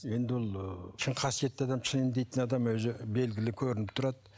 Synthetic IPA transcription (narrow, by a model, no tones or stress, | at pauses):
je̞nd̪ɪwolˠt͡ʃʰɪɴqʰɑsije̞t̪ːeɑd̪ɑmt͡ʃʰɪnend̪e̞jt̪ɪnɑd̪ɑmwɵzɪbe̞lɡʲɪlɪkʲʰɵɾɪnɪp̚t̪ʰʊɾɑd̪